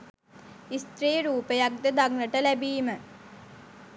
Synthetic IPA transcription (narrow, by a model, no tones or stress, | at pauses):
ist̪ɾejəɾuːpejak̚d̪əd̪aɡnəʈəlæbiːmə